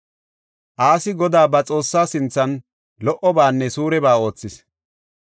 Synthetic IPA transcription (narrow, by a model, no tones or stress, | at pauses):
ʔaːsɪɡɔd̪aːbɐt͡sʼo̞ːsːaːsɪnt͡sːɐn | lɔʔɔbaːnːɛsuːɾɛbaːo̞ːt͡sːɪs